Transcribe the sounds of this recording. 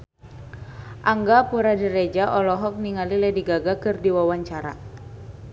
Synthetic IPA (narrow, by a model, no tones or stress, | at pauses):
ʔaŋɡapuɾadəɾed͡ʒaʔɔlɔɦɔk̚niŋalilɛdiɡaɡakɨrdiwawaɲt͡ʃaɾa̰